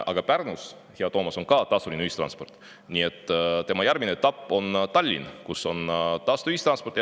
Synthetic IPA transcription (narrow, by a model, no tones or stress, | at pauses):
ʔɑ̰ɡ̥ɑpærnus | heɑt̪o̞ːmɑso̞ŋkɑːt̪ɑːst̪ulʲinuist̪rɑ̰nspo̞rt̪ˑ | nʲie̞t̪ˑːt̪e̞mɑjæɾmineet̪ːɑpːo̞nt̪ɑlʲːḭnkuso̞nt̪ɑːst̪uist̪rɑnspoɾt̪j